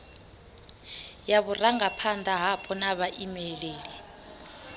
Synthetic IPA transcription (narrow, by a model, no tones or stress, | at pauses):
jaβuraŋɡapʰandʱaɦapʰɔnaβaʔimɛleːli